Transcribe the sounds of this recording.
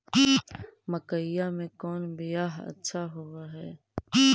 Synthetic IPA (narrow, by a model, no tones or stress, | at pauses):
məkəɪjamẽkɔːnbɪjaːɦɐ̰tːʃʰaɦoaɦɛː